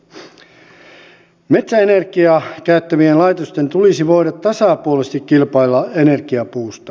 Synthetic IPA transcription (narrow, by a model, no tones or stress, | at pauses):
me̞t̪sæenerkiɑkæyt̪ːæʋienlɑjt̪ost̪e̞nt̪ulisiʋo̞iɾɑt̪ːɑsɑpuolest̪ikkːilpɑilːɑene̞rkiɑpuːst̪ɑ̥